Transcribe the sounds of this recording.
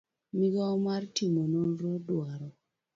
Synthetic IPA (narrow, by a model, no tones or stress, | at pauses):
miɡɔmartimonoɾɔdwaɾɔ